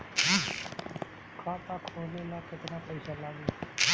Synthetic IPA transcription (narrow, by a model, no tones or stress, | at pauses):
kʰat̪akʰolelakɪt̪napəɪsalaɡi